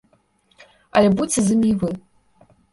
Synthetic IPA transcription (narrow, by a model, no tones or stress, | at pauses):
a̰lʲebut͡sʲʰɨzɨmʲivɨ